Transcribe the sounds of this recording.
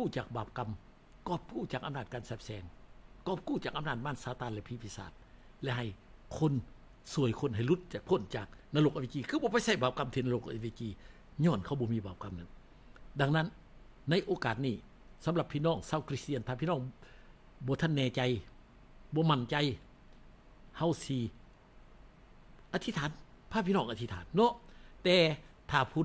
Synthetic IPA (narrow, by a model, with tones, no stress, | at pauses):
kuː˧˩t͡ɕaː˨˩k̚baː˨˩p̚ka˧m | kɔː˧˩p̚kuː˧˥˩t͡ɕaː˨˩k̚ʔa˧mnaː˧˩t̪̚kaː˧˨nsaː˧˩p̚sɛː˧ŋkɔː˧˩p̚kuː˧˩t͡ɕaː˨˩k̚a˧naː˧˩t̪̚maː˧˥˩t̪̚saː˧˦t̪aː˧˨nlɛ˧pʰi˧˩pʰiː˧˥˨sa̰ː˨˩t̪̚ | lɛ˧˨ɦa˨˩j | kʰo˧˥˨n | su˧˩əjkʰo˧˥˨nɦa˨˩jlu˧˦t̪̚ːpʰo˧˥˨nt͡ɕaː˨˩k̚naː˧lo˧kʔa˧e˧˩t͡ɕiː˧kʰɯː˧bɔː˧pa˧˨jsa˧˩jbaː˨˩p̚ka˧˨mt̪ʰiː˧naː˧lo˧˩kʔa̰˧˨ʋeː˧˩t͡ɕiː˧˩ | ɲɔː˧˩nkʰa˧˩wbɔː˧˦miː˧˨baː˨˩p̚ka˧˥mna˧˦n | da˧ŋna˧˥˨nː | a˧˥˨jʔoː˧˦kaː˨˩t̪̚niː˧˩ | sa˧˦mla˧pʰːiː˧˨nɔː˧˥˩ŋsaː˧˨wkʰɾi˧˥st̪i˧˨nʰaː˧pʰi˧nɔː˧˩˨ŋ | bɔː˧˦t̪ʰa˧˥˨nːɛː˧˨t͡ɕa˧j | bɔː˧˦ma˧˩nt͡ɕa˧˨j | ha˧˨wsi˧ | ʔaː˧t̪ʰi˧t̪ʰaː˨˦n | pʰaː˧pʰiː˧nɔː˧˩ŋʔa˧t̪ʰi˧t̪ʰaː˨˦nːɔ˧˥t̪ɛː˨˧t̪ʰaː˨˩pʰuː˧˨